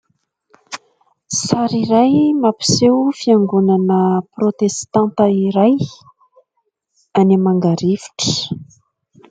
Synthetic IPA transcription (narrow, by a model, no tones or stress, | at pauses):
saɾiɾajmapi̥sewfiaŋɡunanəprot̪est̪ãnt̪əiɾaj | anemaŋɡaɾivi̥ʈ͡ʂə̥